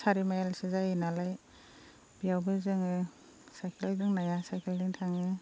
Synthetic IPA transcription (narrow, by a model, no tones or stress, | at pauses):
saɾimajalsizajinalaj | bijawbɯzɯŋɯ | sajkʰeldɯŋnajasajkʰeldɯŋtʰaŋɯ